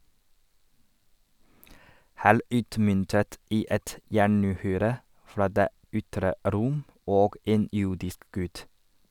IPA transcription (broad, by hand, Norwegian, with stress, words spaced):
ˈhæːɭ ˈʉːtmʏntət ˈiː ˈɛt ˈjæɳʉːˌhyːɾə ˈfɾɑː ˈdeː ˈʏtɾə ˈɾʊm ˈoːɡ ˈeːn ˈjʊɖɪsk ˈɡʉt